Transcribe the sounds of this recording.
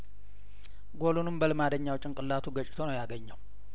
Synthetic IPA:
ɡo̞lunɨmbəlɨmad̪əɲːawt͡ʃʼːɪnkʼɨlːat̪ʰuɡət͡ʃʼːɪ̥t̪ʰonəwjaɡəɲːəw

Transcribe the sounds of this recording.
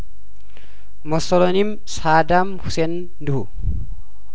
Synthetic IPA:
mɔsɔlɔnim | saːd̪amhʊsɛn | d̪ʊhu

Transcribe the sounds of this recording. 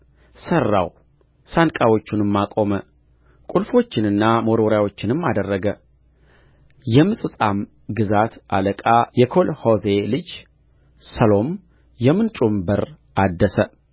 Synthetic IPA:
sərːa̰w | sankʼawo̞t͡ʃːunɨmːakʼo̞mə | kʼulfo̞t͡ʃːɪnɨnːamo̞ɾoɾjawo̞t͡ʃːɪnɨmːad̪ərːəɡə | jɛmɨsʼɨsʼam | ɡɨzat̪ʔa̰ləkʼajɛkʰo̞lhoze̞lɨd͡ʒ | səlo̞m | jɛmɨnt͡ʃʼumbəɾ | ʔad̪ːəsə

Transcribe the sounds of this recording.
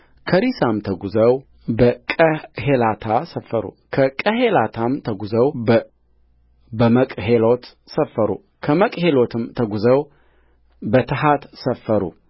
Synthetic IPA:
kʰəɾisamt̪ʰəɡuzəw | bəkʼəhelat̪ʰasəfːəɾṵ | kʰəkʼəɦelat̪ʰamt̪ʰəɡuzəw | bəməkʼɦelo̞t̪ | səfːəɾṵ | kʰəməkʼhe̞lo̞t̪ʰɨmt̪ʰəɡuzəw | bət̪ʰɨɦat̪səfːəɾṵ

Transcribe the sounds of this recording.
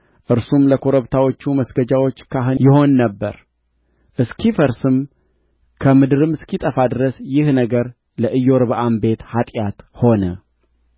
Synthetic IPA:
ʔɨɾsumləkʰoɾəβt̪ʰawo̞t͡ʃːuməsɡəd͡ʒawo̞t͡ʃːkʰaɦɨnjɪho̞nːəbːəɾ | ʔɨskʰifəɾsɨm | kʰəmɨd̪ɨɾɨmɨskit̪ʼəfad̪ɨɾəsjɪhnəɡəɾ | ləʔɨjːo̞ɾβʔambe̞t̪hat̪ʼjat̪ho̞nə

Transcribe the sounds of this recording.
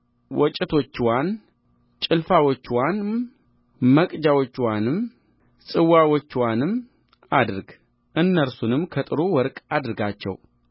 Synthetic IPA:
wɔt͡ʃʼːɪt̪ʰo̞t͡ʃːwan | t͡ʃʼɪlfawot͡ʃːwan | məkʼd͡ʒawot͡ʃːwanɨm | sʼɨwːawot͡ʃːwanɨm | ad̪ɾɡ | ʔɨnːəɾsunɨmkʰət̪ʼɨɾuwɔɾkʼad̪ɾɨɡat͡ʃːɛ̰w

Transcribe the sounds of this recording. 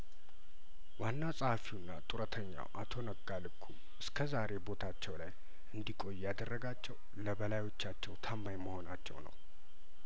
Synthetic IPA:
wanːasʼhafinːa̰t̪ʼuɾət̪ʰəɲːa̰wʔat̪ʰo̞nəɡːalɨkʰːu | ʔɨskʰəzaɾe̞bo̞t̪ʰat͡ʃːɛwlaj | ʔɨnd̪ikʼo̞jjad̪ərːəɡat͡ʃːɛw | ləbəlajo̞t͡ʃːat͡ʃːɛwt̪ʰambajməho̞nat͡ʃːɛ̰wnə̰w

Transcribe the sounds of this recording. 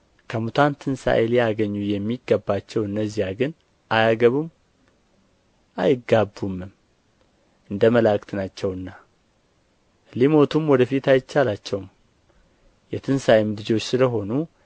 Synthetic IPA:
kʰəmut̪ʰant̪ʰɨnsa̰ʔelijaɡəɲːujɛmːiɡːəbːat͡ʃːɛwɨnːəzːijaɡɨn | ʔajaɡəβum | ʔa̰jɪɡːabːumːɨm | ʔɨnd̪əməlakʼt̪nat͡ʃːɛwɨnːa | limo̞t̪ʰumwɔd̪əfit̪ajɪt͡ʃːalat͡ʃːɛwm | jɛt̪ʰɨnsajɪmdɨd͡ʒo̞t͡ʃːsɨləɦo̞nu

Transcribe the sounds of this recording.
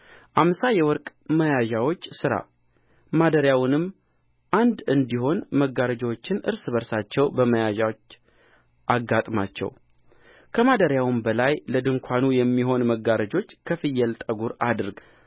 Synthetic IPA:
ʔamsajɛwɔɾkʼməjaʒawo̞t͡ʃːsɨɾa̰ | mad̪əɾjawnɨmː | ʔand̪ɨnd̪iɦo̞nməɡːaɾəd͡ʒwot͡ʃːɪnʔɨ̰ɾsɨβəɾsat͡ʃːɛwbəməjaʒawot͡ʃː | ʔaɡːat̪ʼma̰t͡ʃːɛ̰w | kʰəmad̪əɾjawɨmbəlajləd̪ɨŋkʷʰanujɛmːiɦo̞nməɡaɾəd͡ʒo̞t͡ʃːkʰəfɨjːɛlt̪ʼəɡuɾad̪ɨɾɡ

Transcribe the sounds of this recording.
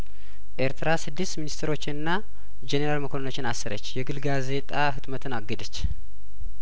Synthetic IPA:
ʔe̞ɾt̪ʰɾasɨd̪ːɨsminist̪ʰəɾo̞t͡ʃːɪnɨnːa | d͡ʒeneɾalməkʰonno̞t͡ʃːɪnasːɨɾə̰t͡ʃːjɛɡɨlɡaze̞t̪ʼaɦɨt̪mət̪ʰɨnaɡːəd̪ət͡ʃː

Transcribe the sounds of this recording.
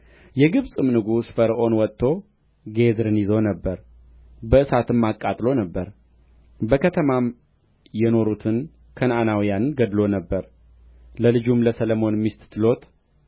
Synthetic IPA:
jɛɡɨβsʼɨmnɨɡusfəɾʔo̞nwɔt̪ʰːo̞ | ɡe̞zɾɨnjɪzo̞nəbːəɾ | bəɨsat̪ɨmːakʼːat̪ʼlo̞nəbːəɾ | bəkʰət̪ʰəmam | jɛno̞ɾut̪ʰɨn | kʰənanawijanɡəd̪lo̞nəbːəɾ | ləlɨd͡ʒumləsələmo̞nmist̪t̪ʰɨlo̞t̪

